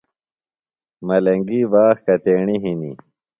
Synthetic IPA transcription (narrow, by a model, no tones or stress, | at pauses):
mɐlɐŋɡiːbaːxkɐt̪eːɳiɦinḭ